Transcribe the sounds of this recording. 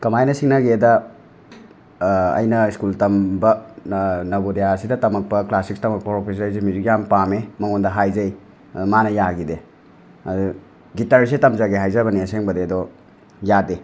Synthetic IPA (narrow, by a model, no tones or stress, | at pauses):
kɐmajnɐsiŋnɐɡedɐ | ɐ̰jnɐiskultɐmbɐ | nɐbodijasidɐtɐmɐk̚pɐklasikstɐmɐk̚pɐpɾopʰes̬ɐjsemuzikjampamemɐŋondɐɦajzɐj | manɐjaɡide | ɐd | ɡitɐɾs̬etɐmzɐɡeɦajzɐbɐniɐseŋbɐdeɐdo | jade